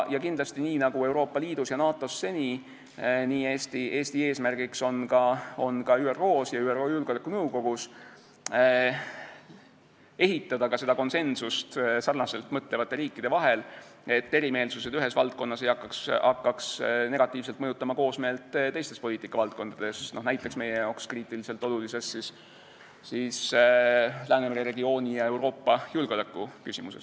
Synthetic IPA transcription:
jɑkind̪lɑst̪iniːnɑɡ̥ue̞wɾo̞ːpˑːɑliːd̪̥usjɑnɑːt̪ːˑo̞sːe̞nʲi | niːeːst̪iʔe̞ːsʲt̪ieːsmærɡ̥ikso̞nkɑo̞nkɑyːero̞ːsjɑyːero̞ːjulɡ̥olekːˑunɤwko̞ɡ̥us | e̞ɦit̪ːˑɑd̪̥ɑkɑse̞d̪̥ɑko̞nse̞nsust̪sɑrnɑse̞lt̪ːˑmɤt̪ːˑlevɑt̪ːˑe̞ɾiːkˑːid̪̥e̞vɑɦe̞l | e̞t̪ːe̞ɾime̞ːlsuse̞d̪yɦe̞svɑlt̪̚ko̞nːɑsejɑkːɑksɑkːɑksne̞ɡ̥ɑt̪ːˑiːvs̬elt̪mɤjut̪ːˑɑmɑko̞ːsme̞ːlt̪t̪e̞jst̪e̞spo̞lʲiːt̪ikːˑɑvɑlt̪̚ko̞nd̪̥ɑd̪̥e̞sno̞næjt̪ˑːe̞ksme̞jejɑwkskriːt̪ːˑilise̞lt̪ːˑo̞lulise̞ssis | sis | læːnemeɾeɾe̞ɡio̞ːnʲijɑe̞wɾo̞ːpːˑɑjulɡeolekːˑukysimuse̞s

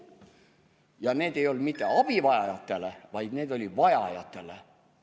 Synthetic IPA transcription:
jɑneːd̪e̞jo̞ld̪mit̪ˑːeɑb̥ivɑjɑjɑt̪ːelevɑjd̪neːd̪o̞lʲid̪vɑjɑjɑt̪ːˑe̞le

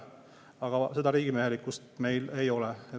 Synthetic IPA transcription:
ɑɡ̥ɑse̞d̪ɑɾiːɡ̥imeɦelikːˑust̪me̞jle̞jo̞lɛe

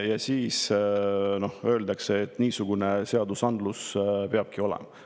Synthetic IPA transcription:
jɑsiːs | no̞hø̞ːld̪ɑkse̞ːt̪ːˑniːsuɡ̥une̞seɑd̪usɑnd̪̥luspe̞ɑb̥̚kio̞lḛmɑ

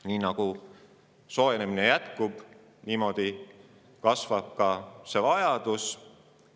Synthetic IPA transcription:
niːnɑɡ̥u | so̞eneminejæt̪kub̥ | niːmo̞d̪̥i | kɑsvɑb̥̚kɑse̞vɑjɑd̪̥us

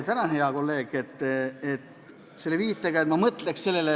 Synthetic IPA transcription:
t̪ænɑnheɑko̞lːe̞ːɡ̥et̪ːˑet̪ | se̞lːeviːt̪ːˑeɡɑet̪mɑmɤt̪leksse̞lːe̞le

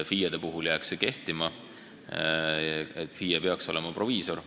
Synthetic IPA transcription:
fijɑd̪̥e̞puɦuljæːkseke̞ht̪imɑ | et̪ːˑfiːjepe̞ɑkso̞̰lemɑpro̞viːso̞ɾ

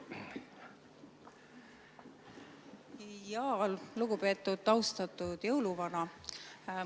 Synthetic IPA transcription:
jɑolluɡupe̞ːt̪ːˑud̪̥̚t̪ɑwst̪ɑt̪ːˑud̪̥jɤwluvɑnɑ

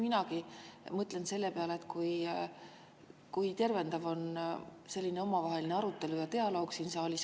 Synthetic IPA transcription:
minɑkimɤt̪ˑle̞nse̞lːepe̞ɑleːt̪ːˑkuj | kujt̪e̞rve̞nd̪̥ɑvo̞nse̞lʲːineo̞mɑvɑɦe̞lineɑɾut̪ːˑe̞lujɑt̪e̞ɑlo̞ːɡ̥sinseolʲis

